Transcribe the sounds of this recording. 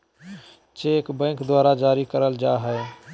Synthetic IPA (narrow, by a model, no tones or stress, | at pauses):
t͡ʃeːkbɛ̃ːŋkd̪waːɾad͡ʒaːɾikəɾəld͡ʒaːɦəe